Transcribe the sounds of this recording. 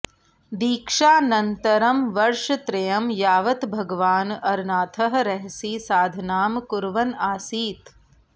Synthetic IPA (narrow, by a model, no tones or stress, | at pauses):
d̪iːkʂaːnɐnt̪ɐɾɐmʋɐɾʃɐt̪ɾɐjɐmjaːʋɐt̪bʱɐɡʋaːnɐɾnaːt̪ʰɐɦ̆ɾɐɦsiːsaːd̪ʱnaːmkuɾʋɐnaːsiːt̪